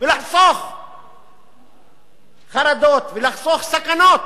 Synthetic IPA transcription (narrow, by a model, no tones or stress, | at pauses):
velaħsˤoχ | χaɾad̪ot̪velaħsˤoχsakanot̪̚